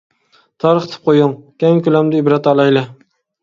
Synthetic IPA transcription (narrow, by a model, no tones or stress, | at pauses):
t̪ʰɑɾɨχt̪ʰɪ̥p̚qʰojʊŋkʲʰaŋkʲʊlamd̪ɪɪbɾat̪ɑlˠajlɪ